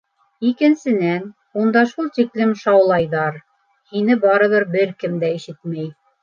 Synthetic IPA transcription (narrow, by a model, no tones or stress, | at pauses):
ikɘ̆nsɘ̆næn | und̪ɑʃulˠt̪iklɘmʃɑwlˠɑjðɑɾ | hinɘbɑɾɤ̆ðɤɾbɘɾkɘmd̪æiʃɘt̪̚mæj